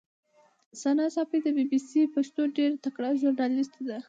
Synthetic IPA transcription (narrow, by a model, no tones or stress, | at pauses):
sanɑsɑpid̪əbibisipaʂt̪oɖeɾt̪akɽaʒʊɾnɑlist̪d̪a